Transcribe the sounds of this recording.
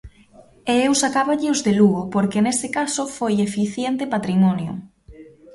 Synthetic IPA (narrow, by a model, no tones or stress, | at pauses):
eewsakaβaʎɪozðeluɣopoɾkenesɪkasʊfojefiθjent̪epat̪ɾimɔnjʊ̰